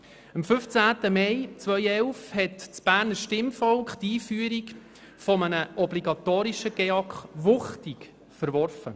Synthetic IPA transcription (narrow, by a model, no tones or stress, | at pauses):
əmfɵft͡sæːtəmɛjt͡sʋœʏɛlfhɛtt͡sb̥æːɾnəʃtɪmfɔlkχt̪iːfyːəɾik | fɔmənəʔɔbliɡɑt̪oːɾiʃəɡ̥eɑkχʋʊχtik | fəɾʋɔrfə̰